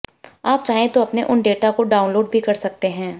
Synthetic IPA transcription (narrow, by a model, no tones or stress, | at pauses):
aːp̚t͡ʃaːɦẽt̪oɐpneʔʊnɖeːʈakoɖaːʊnloːɖ̚bʱikɐɾsɐk̚t̪eɦɛ̃ː